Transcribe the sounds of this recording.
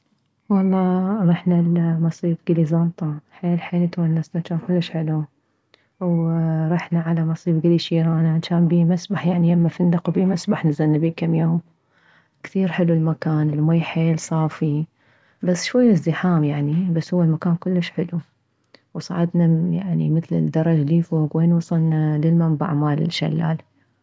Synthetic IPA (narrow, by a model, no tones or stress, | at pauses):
wɑlˤːɑːɾˤɑħnalmɑsˤiːbɡɪlizɑnt̪ˤɑħeːlħeːlɪt̪uːnːasnat͡ʃaːnkʊlːəʃħɪlu | wɾˤɑħnaʕalamɑsˤiːbɡɪliʃiːɾaːnaʕanʃaːnbiːmasbaħjaʕnilamːafɪnd̪aqbiːmasbaħnɪzanːabiːkamːjoːm | kθiːɾħɪlulmakaːnɪlmajħeːlsˤɑːfi | basːʃwajːɪzd̪ɪħaːmjaʕnibasːhʊwːalmakaːnkʊlːəʃħɪlu | wsˤɑ̰ːʕɪd̪naja̰ʕnḭmɪθlɪ̰d̪ːɑɾˤɑd͡ʒaliːfoːkweːnwɑsˤɑlnalɪlmamba̰ʕmaːlɪ̰ʃa̰lːa̰ːl